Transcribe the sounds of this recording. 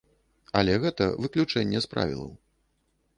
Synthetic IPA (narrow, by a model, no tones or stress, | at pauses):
ɐlʲɛɣɛt̪ɐvɨklʲut͡ʂɛnʲːɛspɾa̰vʲḭlˠɐ̰w